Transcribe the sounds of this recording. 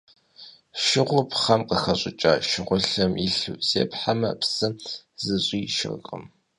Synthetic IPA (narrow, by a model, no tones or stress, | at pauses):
ʃɪʁʷʊpʰχɐmqəxɐɕʼɪt͡ʃʼa̰ːʃɪʁʷʊɬɐmiɬɨwz̥ḛːpʰħamɐ̰psɨz̥ɨɕʼiːʃɪ̰rɣʼə̰m